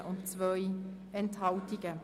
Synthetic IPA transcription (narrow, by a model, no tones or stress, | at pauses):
ʔʊnt͡svœʏ | ɛnt̪hɑʊtɪɡ̥ə